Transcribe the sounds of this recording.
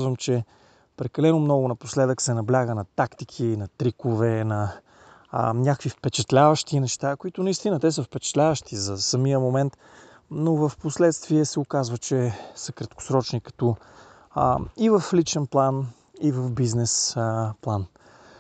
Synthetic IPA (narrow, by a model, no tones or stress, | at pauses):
zvəmt͡ʃɛ | pɾɛkɐlɛnʊmnɔɡʊnɐpo̥slɛd̪əksɛnɐblʲaɡənɐt̪akt̪ikʰinɐt̪ɾikovɛnɐ | ɲʲakkvifpɛt͡ʃɛt̪lʲavəʃt̪inɛʃt̪akoit̪ʊnɐist̪inət̪ɛsəfpɛt͡ʃɛ̥t̪lʲavəʃt̪izɐsɐmiəmomɛnt̪ | novəfposlɛt̪st̪viɛsɛokazvət͡ʃɛsəkɾɐt̪kʊ̥sɾɔt͡ʃnikɐ̥t̪ɔ | ivəflit͡ʃɛnplˠan | ivəfbiznɛsplˠan